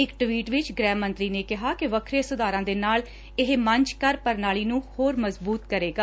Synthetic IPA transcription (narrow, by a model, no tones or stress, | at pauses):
ɪkʈʋiːʈʋɪt͡ʃɡɾɛːmːə̃nt̪ɾiːneːkɪɦaːkɪʋəkʰɾeːsʊd̪aːɾãːd̪eːnaːl | ɪɦməɲt͡ʃkəɾpəɾnaːliːnũːhoːɾməzbuːt̪kəɾeːɡaː